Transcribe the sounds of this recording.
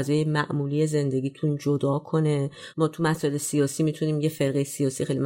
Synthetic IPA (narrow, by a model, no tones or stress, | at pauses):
zɒːjemæʔmuːlije̞ze̞nd̪e̞ɡʲiːt̪ʰund͡ʒod̪ɒːkʰo̞nemɒːt̪ʰumæsɔːʔele̞sijɒːsiːmit̪ʰuniːmje̞fe̞ɾɣe̞jesijɒːsiːxejlim